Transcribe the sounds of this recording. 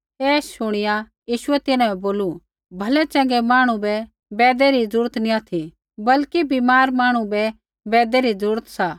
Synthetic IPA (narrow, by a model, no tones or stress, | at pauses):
ɛːsʃʊɽ̃ɪja | jiːʃʊɛt̪ɪnãɛ̃boːlu | bʱɐlɛt͡ʃɐ̃ŋɡɛmaːɽ̃ũbɛ | bɛːd̪ɛɾid͡zuːɾət̪nĩat̪ʰi | bɐlkibimaːɾmaːɽ̃ũbɛ | bɛːd̪ɛɾid͡zuːɾət̪saː